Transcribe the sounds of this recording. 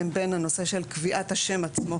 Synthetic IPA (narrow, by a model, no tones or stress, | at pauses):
mbe̞nano̞se̞ʃe̞lkviʔat̪haʃe̞mat͡smo̞